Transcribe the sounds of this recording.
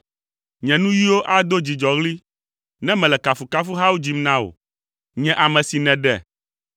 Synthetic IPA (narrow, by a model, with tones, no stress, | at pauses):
ɲɛ̃˨nũ˦ji˦wo˦ʔa˦d̪o˦d͡ʑi˨d͡ʒɔ˨ɣli˦ | nɛ̃˦mɛ̃˨lɛ˨ka˨fu˨ka˦fu˦ɦa˦wu˦d͡ʑi˦mnã˦wo̰˨ | ɲɛ̃˦ʔa˨mɛ̃˨si˨nɛ̃˨ɖɛ̰˨